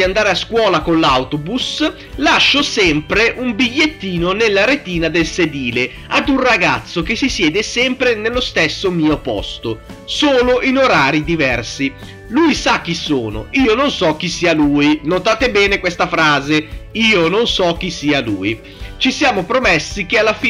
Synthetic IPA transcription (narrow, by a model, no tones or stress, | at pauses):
d̪iand̪aːɾeaskwɔːlakonlawt̪obus | laʃːosɛmpɾeʔumbiʎːet̪ːiːnonelːaɾet̪iːnad̪elsed̪iːle | ad̪unraɡat̪sːokesisjɛːd̪esɛmpɾenelːost̪esːomiːopɔ̰st̪osoːloʔinoɾaːɾid̪ivɛrsi | lujsak̟ːiso̰ːno̰iːononsɔk̟ːisiːaluːjnot̪aːt̪ebɛːnekwest̪afɾaːzeiːononsɔk̟ːisiːaluːji | t͡ʃisjaːmopɾomɛsːikealːafi